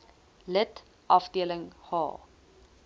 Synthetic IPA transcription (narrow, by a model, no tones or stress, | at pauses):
lət | ʔɐfdiələŋhɑ̰ː